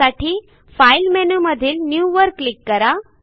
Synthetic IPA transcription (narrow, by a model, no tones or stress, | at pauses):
aʈʰiː | failmenuməd̪ʱiːlnjuʋəɾkːlikːəɾa